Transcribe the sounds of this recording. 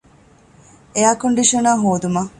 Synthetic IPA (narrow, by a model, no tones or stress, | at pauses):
ejaːkoɳɖiʂɐnaːɦoːd̪umɐ